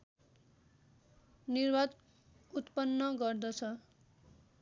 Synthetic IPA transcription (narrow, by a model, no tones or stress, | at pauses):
nirbad̪ | ut̪pʌnːʌɡʌrd̪ʌt͡sʰʌ